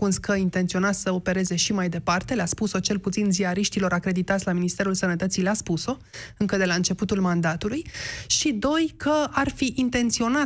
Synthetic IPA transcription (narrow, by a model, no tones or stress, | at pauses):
unskʰəint̪e̞nt̪sio̞nat̪ssəo̞pe̞ɾe̞ze̞ʃimajd̪e̞part̪e̞leaspuso̞t͡ʃe̞lput̪sinziaɾiʃt̪ilo̞ɾakɾe̞d̪it̪at̪sʲlaminist̪e̞ɾulsənət̪ət̪sileaspuso̞ | ɨŋkəd̪e̞laɨnt͡ʃe̞put̪ulmand̪at̪ulujʃid̪o̞jkʰəarfiʔint̪e̞nt̪sio̞na